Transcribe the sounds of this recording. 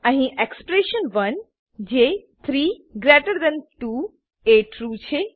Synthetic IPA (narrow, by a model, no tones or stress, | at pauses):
əɦĩʔekspɾeʃənʋən | d͡ʒet̪ʰɾiɡɾeʈəɾd̪ɛ̃nʈu | eʈɾut͡ʃʰe